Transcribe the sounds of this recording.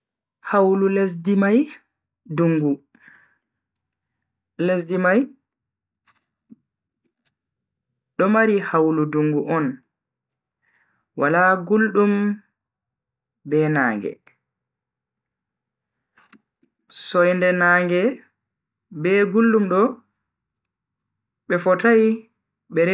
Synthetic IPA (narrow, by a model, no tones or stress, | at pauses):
hawlulesdimaj | duŋɡu | lesdimaj | ɗɔmaɾihawluduŋɡuʔɔn | walaɡulɗum | bɛnaːŋɡɛ̰ | sɔjndɛnaːŋɡɛ | bɛːɡulɗumɗɔ | ɓɛfɔtaj | ɓɛɾ